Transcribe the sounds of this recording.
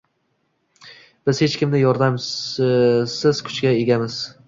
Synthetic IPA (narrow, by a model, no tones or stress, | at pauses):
b̥ɪz̥he̞t͡ʃkʲɪmnɪjɒɾd̪am | sɪz̥kʲʰʊ̥t͡ʃɡʲae̞ɡʲamɪz̥